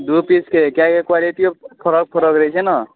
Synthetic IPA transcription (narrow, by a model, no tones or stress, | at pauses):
d̪upiskekjãkekwaliʈipʰɔɾɔk̚pʰɔɾɔkɾʌit͡ʃʰenʌ